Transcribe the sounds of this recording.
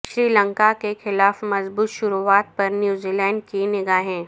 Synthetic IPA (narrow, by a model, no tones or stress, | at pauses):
ʃɾiːlə̃ŋkakexɪlaːfmɐzbuːt̪ʃʊɾuaːt̪̚pɐɾnjuːziːlɛ̃ːɳɖ̚kinɪɡaːɦɛ̃ː